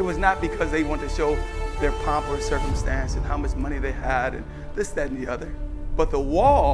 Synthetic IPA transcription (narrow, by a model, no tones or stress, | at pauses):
ɨt̚wʌznət̚b̥ɨkʰʌzðeɪwɑ̃ntʰɨʃoʊðə˞pʰɑpl̩ˠəsɜ˞kə̃m̩stæ̃nsɨzhaʊmʌt͡ʃmʌɾ̃iðeɪəɾɨ̰̃n | ðɪsðɨ̃n̩ðiʌðə˞ | b̥ʌt̪̚ðəwɔlˠ